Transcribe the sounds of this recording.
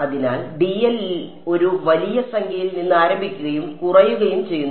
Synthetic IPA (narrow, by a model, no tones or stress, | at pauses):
ɐðina̰ːlɖiɐli | o̞ɾuʋɐlijɐsɐŋɡʰʱɐjilninːɨaːɾɐmbʱikʲːuɣɐjumkurɐjuɣɐjumt͡ɕe̞jːunː